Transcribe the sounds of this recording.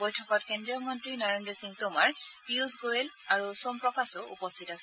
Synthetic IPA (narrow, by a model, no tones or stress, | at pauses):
ojtʰɔkɔtkendɹijɔmɔntɹinɔɹendɹɔsĩŋtʊmaɹpiusɡoɹel | aɹusompɹɔkasɔṵpɔstʰitasɛ